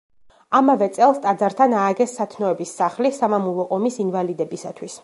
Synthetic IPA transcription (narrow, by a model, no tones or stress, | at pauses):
amavɛt̪sʼɛlˠst̪ʼad̪zaɾt̪ʰanaːɡɛsːat̪ʰnɔɛbisːaχlisamamulˠɔʔɔmisinvalid̪ɛbisat̪ʰwis